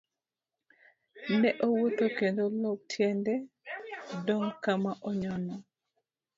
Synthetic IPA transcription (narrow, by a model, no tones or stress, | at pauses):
nɛʔowot̪okendolɔk̚tʰjɛndɛ | dɔŋkamaʔɔɲɔnɔ